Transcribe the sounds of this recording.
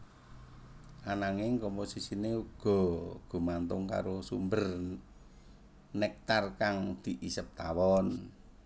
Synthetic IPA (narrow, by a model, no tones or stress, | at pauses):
ʔanaŋɪŋkɔmposisineuɡ̥ɔ̤ɡ̥o̤mant̪ʊŋka̰ɾosumbər | nɛk̚t̪arkaŋd̪̥i̤ʔisəp̚t̪awɔn